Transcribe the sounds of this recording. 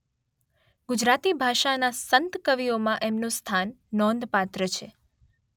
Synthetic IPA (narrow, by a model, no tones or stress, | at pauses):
ɡud͡ʒɾat̪ibʱaʃanasənt̪kəʋijomãʔemnost̪ʰanːɔ̃nd̪pat̪ɾət͡ʃʰe